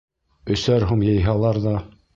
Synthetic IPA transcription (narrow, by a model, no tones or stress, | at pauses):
ɵ̆sæɾɦumjɤ̆jɦɑlˠɑɾðɑ